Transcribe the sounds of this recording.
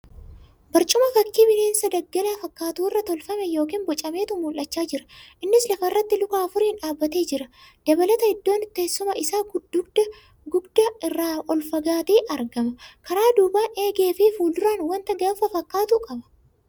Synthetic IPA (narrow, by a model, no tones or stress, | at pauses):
bɐɾt͡ʃʼʊmɐfɐkːiːbɪneːnsɐd̪ɐɡːɐlɐfɐkːaːt̪uːɪrːɐt̪ɔlfɐmɛjo̞ːk̬iːnbɔt͡ʃʼɐme̞ːt̪ʊmuːlʔɐt͡ʃːaːd͡ʒɪɾɐʔɪnːɪslɐfɐrːɐt̪ːɪlʊkaːfʊɾɪnᶑaːbːɐt̪e̞ːd͡ʒɪɾɐd̪̥ɐbɐlɐt̪ɐɪd̪ːo̞ːnt̪ːeːsːʊmɐʔɪsaːɡd̪ʊɡd̪ɐ | ɡʊɡd̪ɐɪrːaːʔɔlfɐɡaːt̪iːʔɐɾɡɐmɐkɐɾaːd̪uːbaːne̞ːɡe̞ːfifuːld̪ʊɾaːnwɐnt̪ɐɡɐʊfɐfɐkːaːt̪ukʼɐbɐ̥